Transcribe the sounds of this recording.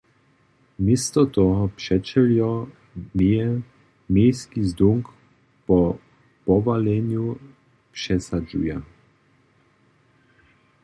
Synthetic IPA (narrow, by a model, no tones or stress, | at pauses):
mest̪ɔt̪ɔɦɔpʂɛt͡ʃɛljɔ | mijɛ | mejskizd̪uŋk | pɔ | pɔʋalɛnju | pʂɛsad͡ʒṵja